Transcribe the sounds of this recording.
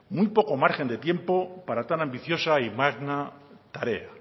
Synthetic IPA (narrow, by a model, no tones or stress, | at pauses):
mujpo̞ko̞maɾxe̞nd̪e̞t̪je̞mpo̞paɾat̪anambiθjo̞saimaɣnat̪aɾe̞a